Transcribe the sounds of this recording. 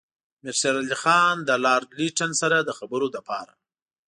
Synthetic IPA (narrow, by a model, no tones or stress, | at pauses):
mɪɾsaɾalixɑnd̪əlɑɾdliʈansaɾad̪əxabəɾod̪əpʰɑɾa̰